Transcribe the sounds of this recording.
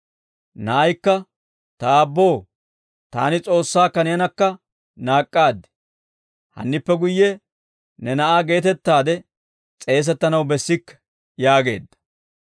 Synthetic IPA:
nɐʔɐjkːɐ | t̪ɐːbːo̞ː | t̪aːnɪt͡sʼo̞ːsːaːkɐnɪjɐnɐkːɐ | naːkʼːaːd̪ːɛ̥ | hɐ̰nːɪpːɛɡʊjːɛ | nɛnɐʔaːɡe̞ːt̪ɛt̪ːaːd̪ɛ | t͡sʼe̞ːs̬ɛt̪ːɐnɐwbɛsːɪkː | jaːɡe̞̰ːd̪ːɐ̥

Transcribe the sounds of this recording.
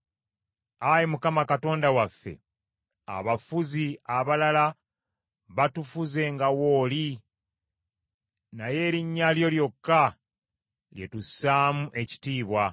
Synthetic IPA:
ajemukamakato̞ːndawafːe̞̰ | a̰βafuziaβalala | βatufuze̞ŋɡawo̞ːli | naje̞ːɾiɲːaljo̞ljo̞kːa | lje̞tusaːmuʔe̞ci̥tiːβwa

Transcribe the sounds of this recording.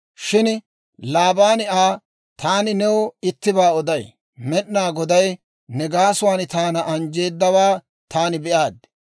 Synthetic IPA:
ʃɪn | laːbaːnɪʔaː | t̪aːnɪnɛwɔɪt̪ːɪbaːɔd̪ɐj | mɛɗnaːɡɔd̪ɐj | nɛɡaːsʊwaːnɪt̪aːnɐʔɐnd͡ʒe̞ːd̪ːɐwaː | t̪aːnɪbɛʔaːd̪

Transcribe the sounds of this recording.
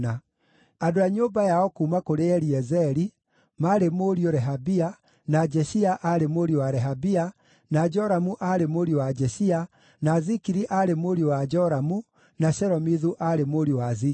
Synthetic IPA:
a | adoaɲoːmbajaɔkuːmakoɾeɛɾiɛzɛɾi | maɾemoɾioɾɛɦabia | nad͡ʒɛɕiaʔaɾemoɾiowaɾɛɦabia | nad͡ʒɔɾamuʔaɾemoɾiowad͡ʒɛʃia | naːzikiɾiʔaɾemoɾiowad͡ʒɔɾamu | naʃɛɾɔmiðuʔaɾemoɾiowazi

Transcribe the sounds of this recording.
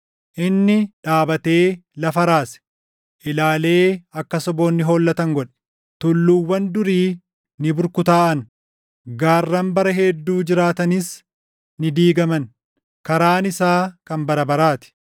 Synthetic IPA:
ʔɪnːɪᶑaːbɐt̪e̞ːlɐfɐɾaːsɛ̥ | ʔɪlaːle̞ːɐkːɐsɔbo̞ːnːɪɦo̞ːlːɐt̪ɐŋɡɔᶑɛ̥ | t̪ʊlːuːwːɐnd̪ʊɾiː | nɪbʊɾkʊt̪aːʔɐn | ɡaːrːɐmbɐɾɐɦɛd̪ːuːd͡ʒɪɾaːt̪ɐnɪs | nɪd̪iːɡɐmɐn | kɐɾaːnɪsaːkɐmbɐɾɐbɐɾaːt̪ɪ̥

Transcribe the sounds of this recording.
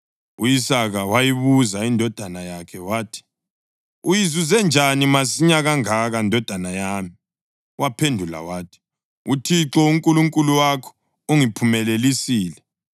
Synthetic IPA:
ṵjisaɣawajiβuzaindʱɔd̥ʱanajakʰɛwaːtʰi̥ | ujizuzɛnd͡ʒʱanimasiɲaɣaŋaɣandʱɔd̥ʱanajaːmi | wapʰendʱula̰waːtʰi̥ | utʰiǁɔuŋkʼuluŋkʼuluwakʰɔ̥ | uŋipʰumɛlelisiːlɛ

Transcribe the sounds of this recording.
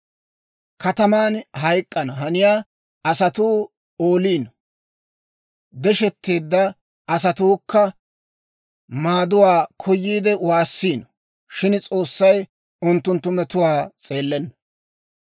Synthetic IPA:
kɐt̪ɐmaːnɦɐjkʼːɐnɐɦɐnɪjaː | ɐsɐt̪uː | oːliːnɔ | d̪ɛʃɛt̪ːeːd̪ːɐ | ʔɐs̬ɐt̪uːkːɐ | maːd̪ʊwaːkʰɔjːiːd̪ɛwaːsːiːnɔ | ʃɪnt͡sʼo̞ːsːɐj | ʊnt̪ːʊnt̪ːʊmɛt̪ʊwaːt͡sʼe̞ːlːɛnːɐ

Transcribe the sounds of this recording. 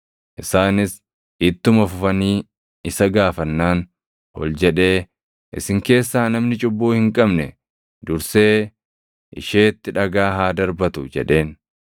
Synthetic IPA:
ʔɪsaːnɪs | ɪt̪ːʊmɐfʊfɐniː | ɪsɐɡaːfɐnːaːn | hɔ̰ld͡ʒɛᶑe̞ː | ʔɪ̰sɪŋke̞ːsːaːnɐmnɪt͡ʃʼʊbːuːhɪŋkʼɐbnɛ | d̪ʊɾse̞ː | ʔɪ̰ʃeːt̪ːɪᶑɐɡaːɦaːd̪ɐɾbɐt̪ʊd͡ʒɛ̰ᶑe̞ːn

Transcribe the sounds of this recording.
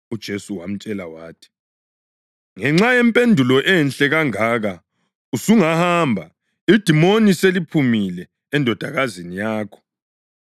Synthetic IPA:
ud̥ʒ̥ʱesuwam̩t͡ʃʼɛlawaːtʰi̥ | ŋɛŋ͡ǁajɛmpʼendʱulɔʔɛnɬʼɛɣaŋaːɣa | usuŋahambʱa | id̥ʱimoniselipʰumilɛː | ndʱɔd̥ʱaɣazinijaːkʰɔ̥

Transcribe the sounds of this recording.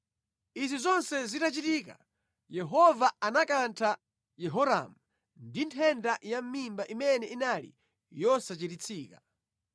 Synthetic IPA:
izizɔnsɛzitat͡ʃitiːka̰ | jɛɦɔvaanakantʰa | jɛɦɔɾa̰mu | ndintʰɛndajam̩mimbaʔimɛnɛinalḭ | jɔsat͡ʃitit͡sʰiːka

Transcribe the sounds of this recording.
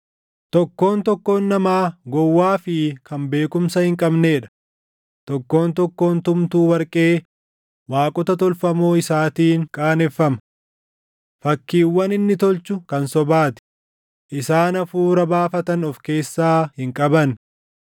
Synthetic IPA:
t̪ɔkːo̞ːnt̪ɔkːo̞ːnːɐmaːɡɔwːaːfɪkɐmbe̞ːkʊmsɐhɪŋkʼɐbne̞ːᶑɐ̥ | t̪ɔkːo̞ːnt̪ɔkːo̞ːnt̪ʊmt̪uːwɐɾkʼe̞ː | waːkʼɔt̪ɐt̪ɔlfɐmoːɪsaːt̪iːŋkʼaːnɛfːɐmɐ | fɐkːiːwːɐnɪnːɪt̪ɔlt͡ʃʊkɐnsɔbaːt̪ɪ̥ | ʔɪsaːnɐfuːɾɐbaːfɐt̪ɐnɔfke̞ːsːaːhɪŋkʼɐbɐn

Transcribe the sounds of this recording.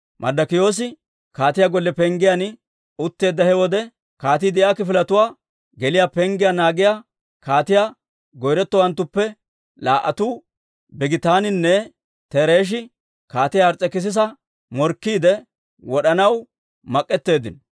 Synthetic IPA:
mʔɐ̰d̪ɐkɪjo̞ːs̬ɪ | kaːt̪ɪjaɡɔlːɛpɛŋɡɪjan | ʊt̪ːe̞ːd̪ːɐhɛwɔd̪ɛ | kaːt̪iːd̪ɪjaːkɪfɪlɐt̪ʊwaː | ɡɛlɪjapɛŋɡɪjanaːɡɪja | kaːt̪ɪja | ɡɔjɾɛt̪ːɔwɐnt̪ːʊpːɛ | laːʔɐt̪uː | bɪɡɪt̪aːnɪnːɛ | t̪ɛɾeːʃ̬ɪ | kaːt̪ɪjaɐɾt͡sʼːɛkɪs̬ɪs̬ɐ | mɔɾkːiːd̪ɛ | wɔɗɐnɐw | mɐkʼːɛt̪ːe̞ːd̪ɪn

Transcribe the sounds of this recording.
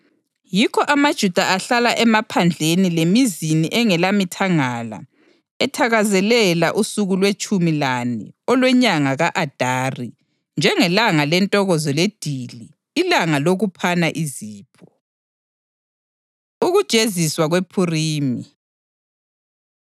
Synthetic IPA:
jikʰɔʔamad̥ʒ̥ʱud̥ʱaʔaɬalaʔɛmapʰand͡ɮʱenilemiziniʔɛŋɛlamitʰaŋala̰ | ɛtʰaɣazɛlɛlaʔusuɣulwet͡ʃʼumilanɛ̰ɔlwɛɲaŋaɣaʔad̥ʱaːri | nd͡ʒʱɛŋɛlaŋalɛntʼɔɣɔzɔled̥ʱiliː | laŋaloɣupʰanaʔiziːpʰɔ | uɣud̥ʒ̥ʼʱeziswaɣwepʰuriːmi

